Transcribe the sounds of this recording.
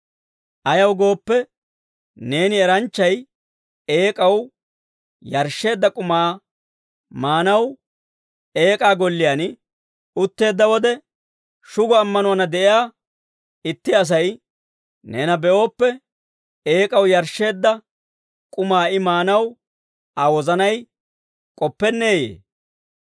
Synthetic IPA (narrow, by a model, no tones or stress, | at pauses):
ʔɐjɐwɡo̞ːpːɛ | ne̞ːnɪɛɾɐnt͡ʃːɐj | e̞ːkʼɐw | jɐɾʃːe̞ːd̪ːɐkʼʊmaː | maːnɐw | e̞ːkʼaːɡɔlːɪjaːn | ʊt̪ːe̞ːd̪ːɐwɔd̪ɛ | ʃʊɡɔɐmːɐnʊɐnɐd̪ɛʔɪjaː | ɪt̪ːɪɐs̬ɐj | neːnɐbɛʔo̞ːpːɛ | eːkʼɐwjɐɾʃːe̞ːd̪ːɐ | kʼʊmaːɪmaːnɐw | ɐwɔzɐnɐj | kʼɔpːɛnːe̞ːjḛː